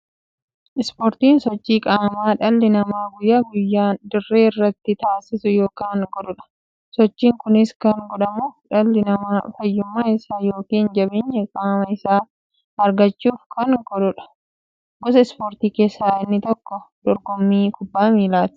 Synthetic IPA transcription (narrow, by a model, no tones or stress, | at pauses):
ʔɪspoːɾt̪iːnsɔt͡ʃːiːkʼaːmaːᶑɐlːɪnɐmaːɡʊjɐɡʊjːaːnd̪ɪrːeːɪrːɐt̪ːɪt̪aːsɪsʊjo̞ːkaːŋɡɔᶑʊᶑɐ̥ | sɔt͡ʃːiːŋkʊnɪskɐŋɡɔᶑɐmuːfᶑɐlːɪnɐmaːfɐjːʊmːaːɪsaːjo̞ːkiːnd͡ʒɐbeɲːɐkʼaːmɐɪsaː | ɐɾɡɐt͡ʃːuːfkʰɐŋɡɔᶑʊᶑɐ̥ | ɡ̥ɔsɐɪspoːɾt̪iːke̞ːsːaːɪnːɪt̪ɔkːɔd̪̥ɔɾɡɔmːiːkʊbːaːmiːlaːt̪ɪ̥